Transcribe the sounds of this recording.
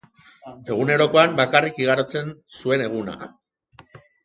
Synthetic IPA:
e̞ɣune̞ɾo̞ko̞ambakarikiɣaɾot͡se̞nsue̞ne̞ɣ̞una̰

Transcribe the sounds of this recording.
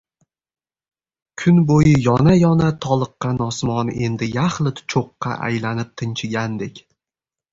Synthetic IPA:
kʰʊnbojɪjɒnajɒnat̪ʰɒlˠɨqːɑnɒsmɒne̞̰nd̪ɪjaχlɪt̪ʰt͡ʃʰoqːɑ̰ʔa̰jlanɪp̚t̪ʰɪnt͡ʃʰɪɡʲand̪e̞kʲ

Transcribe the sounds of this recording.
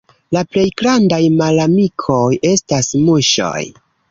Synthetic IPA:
laple̞jɡɾandajmalamikʰo̞je̞stasmuʃo̞̰j

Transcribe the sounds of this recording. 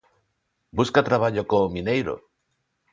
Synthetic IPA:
buskat̪ɾaβ̞aʎokomĩnejɾo̰

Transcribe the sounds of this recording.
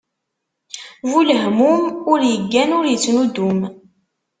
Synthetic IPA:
vuləɦmumʊɾjəɡːænʊɾjət͡sːnud̪um

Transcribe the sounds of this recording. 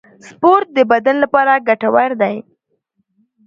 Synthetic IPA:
spoɾt̪̚d̪əbad̪anlapɑɾaɡaʈawaɾd̪aj

